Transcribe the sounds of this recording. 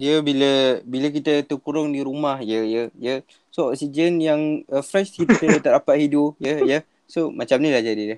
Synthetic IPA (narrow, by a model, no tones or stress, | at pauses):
jəbiləbiləkit̪ət̪əkuɾʊŋdiɾumahjəjəjə | soɔk̚sid͡ʒənjaŋəfɾɛʃt̪it̪ət̪adapaʔ̪hidʊpjəjə | somat͡ʃamnĩlahd͡ʒadidəh